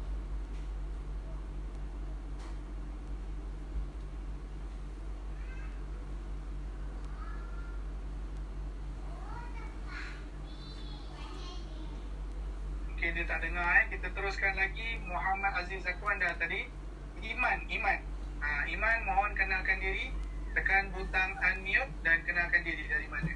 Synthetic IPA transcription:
mukendiat̪aʔdəŋakit̪at̪əɾʊskanlaɡimuɦamad̪azimsakwandat̪adi | imãnimãn | aimãnmawankənalkandiɾi | t̪əkanbunt̪aŋanmĩʊk̚dankənalkandiɾidaɾimana

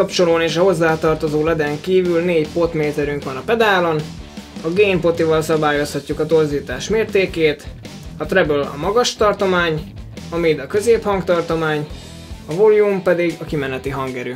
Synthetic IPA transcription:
ɒpt͡ʃo̞loːneːʃɒɦo̞zːaːt̪ɒrt̪o̞zoːlɛd̪ɛŋkiːvylneːɟpo̞t̪meːt̪ɛɾyŋkʋɒnɒpɛd̪aːlo̞nɒɡeːmpo̞t̪ivɒlsɒbaːjo̞shɒcːukɒt̪o̞rziːt̪aːʃmeːrt̪eːkeːt̪ | ɒt̪rɛbølɒ̰mɒɡɒʃt̪ɒrt̪o̞maːɲɒmid̪ɒkø̞zeːphɒŋkt̪ɒrt̪o̞maːɲ | ɒvoljumpɛd̪iɡɒkimɛnɛt̪iɦɒŋɡɛɾy

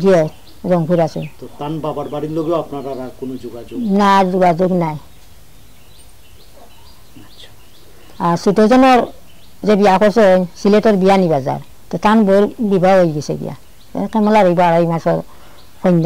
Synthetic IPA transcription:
ɡiɔ | ɾɔŋpʰuɾasɛ̰t̪ɔtanbabaɹbaɽitloɡɛapnaɾaɾakonod͡ʒuɡad͡ʒonazuɡazoɡnaj | asutɔzɔnɔɾ | zɛbijakʰɔɹseɔjsiletɔɹbijanibaza̰ɾ | tɛtanboɾbibʱaɦojɡɛsɛ̰ɡḭja̰ | ɛ̰kɛmɔlaɾɔjbɔaɾaimasɔɹ | kʰɔjnda

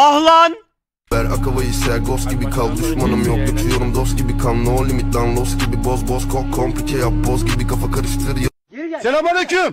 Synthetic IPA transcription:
ahlˠan | bæɾakʰavajisɛɾɡosɟʲibikʰalˠd̪yʃmanɯmjok̚d̪ukʰzijoɾumd̪osɡibikʰannoːlʲimit̪̚d̪anlˠosɟʲibibozbozkʰokʰompʰicʲʰɛjap̚bozɟʲibikʰafakʰaɾɯʃt̪ʰɯɾj | sɛlamalekym

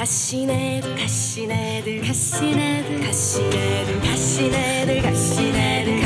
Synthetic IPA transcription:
kaɕinedɯkaɕine | dɯkaɕinedɯkaɕinedɯaɕinedɯkaɕinedɯ

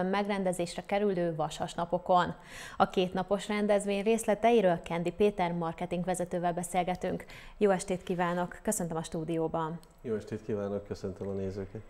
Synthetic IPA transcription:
mːɛɡrɛnd̪ɛzeːʃrɛkɛɾyløːvɒʃhɒʃnɒpo̞ko̞n | ɒkeːt̪nɒpo̞ʃrɛnd̪ɛzʋeːɲreːslɛt̪ɛjiɾøːlkɛnd̪ipeːt̪ɛrmɒrkɛt̪iŋkʋɛzɛt̪øːvɛlbɛseːlɡɛt̪yŋk | joːɛʃt̪eːt̪kiːvaːno̞kːø̞sø̞nt̪ømɒʃt̪uːd̪ijoːbɒn | joːɛʃt̪eːt̪kiːvaːnokːøsønt̪ømɒneːzøːkɛt̪

